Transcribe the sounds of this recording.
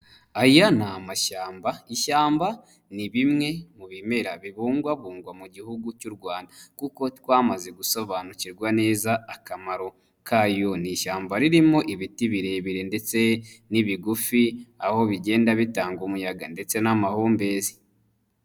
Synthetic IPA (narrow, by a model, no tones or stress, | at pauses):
ajanamaʃaːmbaiʃaːmba | niβimŋe̞muβime̞ɾaβiβuːŋɡwaβuːŋɡwamuɟihuɡucuɾɡwaːndakuko̞twaːmaze̞ɡuso̞βaːnuciɾɡwane̞ːzaːkamaɾo̞ | kajo̞niʃaːmbaɾiɾimo̞ʔiβitiβiɾe̞βiɾe̞nde̞t͡se̞niβiɡufiaho̞βiɟe̞ːndaβitaːŋɡomujaɡande̞t͡se̞namahuːmbe̞ːzi̥